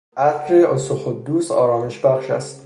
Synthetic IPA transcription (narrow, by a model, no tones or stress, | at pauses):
ʔæt̪ɾeʔosoxod̪ːuːsɒ̰ːɾɒːmeʃbæχʃæst̪